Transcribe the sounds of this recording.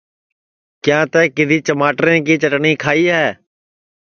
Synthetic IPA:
kjãːt̪ɛːkɪd̪ʱiːt͡ʃəmaːʈɾẽːkiːt͡ʃəʈɳiːkʰaːiːɦɛː

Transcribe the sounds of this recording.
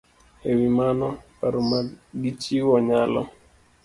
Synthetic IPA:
ewimanɔpaɾʊmaɡit͡ʃiwɔɲalɔ̰

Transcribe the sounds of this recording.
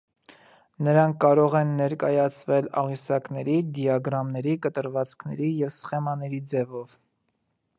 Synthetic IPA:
nəɾɑŋkʰːɑɾɔʁɛnːɛɾkɑjɑt͡sʰvɛlɑ̰ʁisɑknɛɾid̪jɑɡɾɑmnɛɾikət̪əɾvɑt͡skʰnɛɾijɛvsχɛmɑnɛɾid͡zɛvɔv

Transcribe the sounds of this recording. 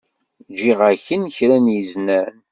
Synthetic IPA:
d͡ʒiʁæçənçɾænjəznæn

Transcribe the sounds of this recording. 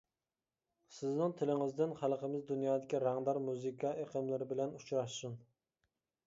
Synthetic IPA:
sɪznɪŋt̪ʰɪlɪŋɪzd̪ɪnχælˠqəmɪzd̪unjɑːd̪ɪkʲiɾæŋd̪ɑɾmuzɨkʰɑeqʰəmlɪɾɪbɪlɛnut͡ʃɾɑʃsun

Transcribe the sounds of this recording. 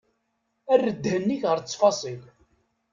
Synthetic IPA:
ærːəd̪hənːiçʁəɾt͡sːfɑsˤil

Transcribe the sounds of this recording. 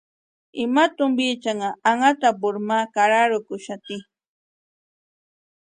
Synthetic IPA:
ɪmat̪ʊmbit͡ʃaŋaaŋat̪abʊɾmakaɾaɾʊkʊʃat̪i

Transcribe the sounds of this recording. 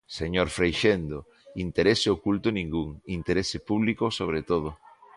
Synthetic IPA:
seɲoɾfɾejʃend̪o | int̪eɾeseokult̪onĩŋɡuŋint̪eɾesepuβ̞likosoβ̞ɾet̪oð̞o

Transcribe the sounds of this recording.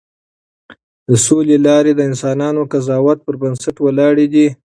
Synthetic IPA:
d̪̥əsolelɑɾed̪əɪnsɑnɑnokazɑwat̪̚pəɾbansaʈwalɑɽed̪i

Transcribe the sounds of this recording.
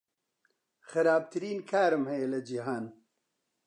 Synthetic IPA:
xɨɾaːb̚t̪ʰɨɾiːnkʰaːɾɨmhɛjelɐd͡ʒiɦaːn

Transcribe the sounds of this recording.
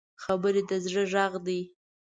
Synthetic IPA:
xabəɾed̪əzɽəʒɑɣd̪i

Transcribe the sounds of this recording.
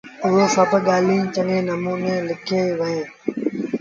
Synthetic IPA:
ʊɦeːsəpɠaːlĩːt͡ʃəŋẽːnəmuːneːlɪkʰeːʋəẽː

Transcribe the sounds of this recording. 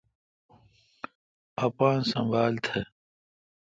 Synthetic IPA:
ɐpãːnsɐ̃mbaːlt̪ʰe

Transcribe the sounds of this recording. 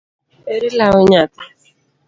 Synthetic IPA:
eɾilaʊɲatḁ

